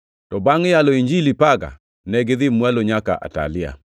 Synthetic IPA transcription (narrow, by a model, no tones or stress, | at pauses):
tɔbaŋɪjalɔiɲd͡ʒilipaɡa̰ | nɛɡɪðɪmwaloɲaka̰ʔa̰ta̰lɪa̰